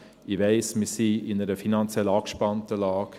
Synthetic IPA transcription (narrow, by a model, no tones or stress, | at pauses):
iʋɛɪsmɪsiɪnəɾəfinɑnt͡sjɛlɑːkʃpɑntəlɑːk